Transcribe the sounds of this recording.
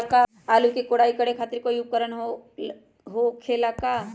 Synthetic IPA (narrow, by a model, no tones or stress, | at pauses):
ka | aːlukekoːɽaːikəɽekʰaːt̪ɪɾkojuɡ̚kəɾəɳɦo | ɦokʰeːlaka